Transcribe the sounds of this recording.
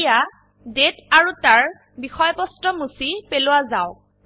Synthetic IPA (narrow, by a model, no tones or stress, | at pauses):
ja | detaɹutaɹ | bixɔjpɔstɔmusipelʊwazaʊ